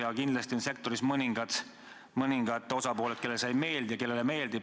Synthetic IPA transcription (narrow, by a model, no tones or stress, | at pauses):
ɑkind̪lɑst̪ionse̞k̚t̪o̞ɾismɤniŋɡ̥ɑd̪̥ | mɤniŋɡ̥ɑt̪ːˑo̞sɑpo̞ːlet̪̚ke̞lːelsɑjme̞ːld̪jɑke̞lːe̞leme̞ːld̪̥i